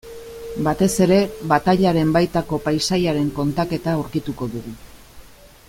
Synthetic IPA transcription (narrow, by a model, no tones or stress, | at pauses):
bat̪e̞se̞ɾe̞βat̪aʎaɾe̞mbajt̪ako̞pajsajaɾe̞ŋko̞nt̪ake̞t̪auɾkit̪uko̞ðuɣu